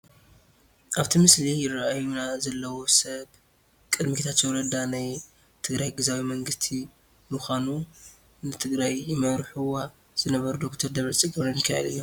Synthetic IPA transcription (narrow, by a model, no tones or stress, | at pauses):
ʔaβt̪ʰimɨslijɪrːaʔajunazɐlːɐwo̞sɐβ | kʼɨd̪mikʰt̪ʰat̪t͡ʃːowɾɐd̪anaj | t̪ʰɨɡɾajɡɨzawimɐŋɡɨst̪ʰi | mɨxʷanu | nɨt̪ʰɨɡɾajːɪmɐɾħuwa | z̥ɨnɐβɐɾud̪okt̪ʰɐɾd̪ɐβɾɐt͡sʼiɡɨβɾɐnɨkʰːahɐ̰d̪ɨjːom